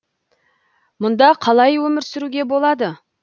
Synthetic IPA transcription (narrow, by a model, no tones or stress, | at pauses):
mʊnd̪ɑqʰɑlˠɑjwɵmɪɾsɪɾuɡʲe̞bo̞lˠɑd̪ə